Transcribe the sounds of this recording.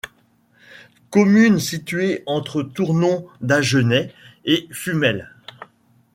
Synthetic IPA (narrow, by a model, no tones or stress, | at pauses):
kɔmynsit̪ɥeɑ̃t̪χət̪uʁnɔ̃d̪aʒənɛefymɛl